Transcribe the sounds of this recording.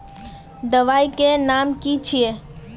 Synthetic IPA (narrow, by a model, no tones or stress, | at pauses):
d̪əʋaikenamkit͡ʃʰie